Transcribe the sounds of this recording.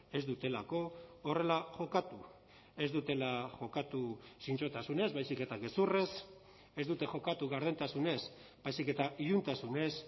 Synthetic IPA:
e̞zd̪ut̪e̞lako̞ːre̞laʝo̞kat̪u | e̞zd̪ut̪e̞laxo̞kat̪usint͡ʃo̞t̪asune̞zβajsike̞t̪aɣe̞sure̞s | e̞zd̪ut̪e̞ʝo̞kat̪uɣaɾð̞e̞nt̪asune̞s | bajsike̞t̪aʔiunt̪asune̞s

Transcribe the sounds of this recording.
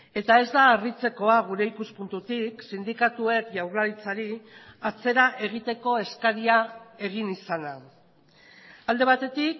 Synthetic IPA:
e̞t̪ae̞zd̪aːrit͡se̞ko̞aɣ̞uɾe̞ikuspunt̪ut̪iksind̪ikat̪ue̞kʝawrlaɾit͡saɾiat͡se̞ɾaʔe̞ɣ̞it̪e̞ko̞e̞skaɾiae̞ɣ̞inisana | ald̪e̞βat̪e̞t̪ik̚

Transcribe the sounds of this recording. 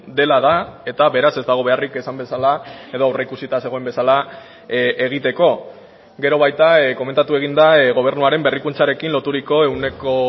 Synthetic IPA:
d̪e̞laðae̞t̪aβe̞ɾase̞zd̪aɣ̞o̞βe̞arike̞sambe̞salae̞ðo̞awreikusit̪ase̞ɣoembe̞sala | e̞ɣ̞it̪e̞ko̞ | ɡe̞ɾo̞βajt̪ako̞me̞nt̪at̪ue̞ɣ̞ind̪aɣo̞β̞e̞ɾnuaɾe̞mbe̞rikunt͡saɾe̞kinlo̞t̪uɾiko̞e̞wne̞ko̞

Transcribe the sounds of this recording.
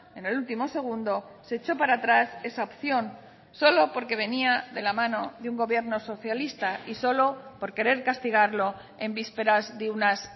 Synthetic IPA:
e̞ne̞lult̪imo̞se̞ɣ̞und̪o̞ | se̞ːt͡ʃo̞paɾat̪ɾase̞saopθjo̞n | so̞lo̞po̞ɾke̞β̞e̞niaðe̞lamãno̞ðeuŋɡo̞βje̞ɾno̞so̞θjalist̪aiso̞lo̞po̞ɾke̞ɾe̞ɾkast̪iɣ̞aɾlo̞ | e̞mbispe̞ɾazðeunas

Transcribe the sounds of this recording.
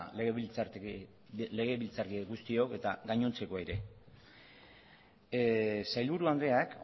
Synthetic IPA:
leɣeβit͡saɾ | le̞ɣe̞βilt͡saɾkiɡust̪io̞ke̞t̪aɡaɲo̞nt͡se̞ko̞eɾe̞ | sajlβuɾuand̪ɾe̞ak

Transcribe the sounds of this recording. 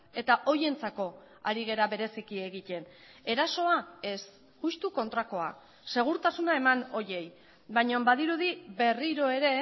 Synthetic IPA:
e̞t̪aʔo̞je̞nt͡sako̞ | aɾiɣ̞e̞ɾaβe̞ɾe̞sikie̞ɣic̪e̞n | e̞ɾaso̞ae̞s | ɣust̪uko̞nt̪ɾako̞a | se̞ɣ̞uɾt̪asunae̞mano̞je̞j | bajɲombaðiɾuðiβe̞riɾo̞e̞ɾe̞

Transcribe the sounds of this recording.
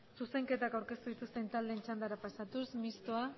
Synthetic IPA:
suse̞ŋke̞t̪akawɾke̞st̪uðit̪ust̪e̞nt̪ald̪e̞nt͡ʃand̪aɾapasat̪usmist̪oa

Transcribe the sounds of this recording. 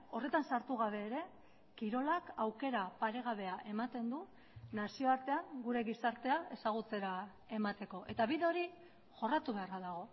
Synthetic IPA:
o̞re̞t̪ansaɾt̪uɣaβ̞e̞ːɾe̞ | kiɾo̞lakawke̞ɾapaɾe̞ɣ̞aβ̞e̞aʔe̞mat̪e̞nd̪u | nasio̞aɾt̪e̞aŋɡuɾe̞ɣisaɾt̪e̞ae̞saɣ̞ut͡se̞ɾa | e̞mat̪e̞ko̞ʔe̞t̪aβiðeo̞ɾi | ʝo̞rat̪uβe̞araðaɣ̞o̞

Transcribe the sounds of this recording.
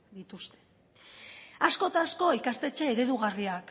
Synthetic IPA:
d̪it̪ust̪e̞̥ | asko̞t̪asko̞ikast̪e̞t͡ʃe̞ːɾe̞ðuɣ̞ariak

